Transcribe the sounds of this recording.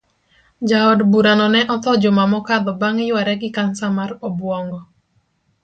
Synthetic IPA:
d͡ʒaɔdbuɾanɔnɛʔɔt̪ɔd͡ʒɔmamɔkad̪ɔbaŋɪjwaɾɛɡɪkansamarɔbwɔŋɡɔ

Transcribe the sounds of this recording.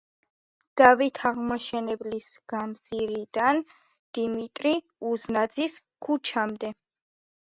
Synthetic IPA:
d̪̥avit̪ʰaʁmɔʃɛnɛblisɡ̥amziɾid̪an | d̪̥imit̪ʼɾi | uznad̪zis | kʰut͡ʃʰamd̪ɛ

